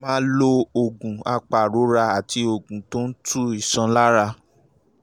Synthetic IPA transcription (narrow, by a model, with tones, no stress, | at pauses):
mãː˦lo˧o˨ɡũ˨a˧k͡pa˨ɾo˨˦ɾa˧a˨ti˧o˨ɡũ˨to˦n̩˦tʰu˦i˨sã˧la˦ɾa˧